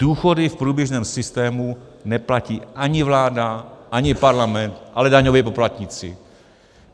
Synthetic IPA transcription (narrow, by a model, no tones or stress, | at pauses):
d̥uːxo̞dɪfpɾuːbjɛʒnɛːmsɪst̪ɛːmunɛplaciːʔaɲɪvlaːdaʔaɲɪpaɾlamɛnt̪ʔalɛdaɲovɛpo̞plat̪ɲɪt͡sɪ̰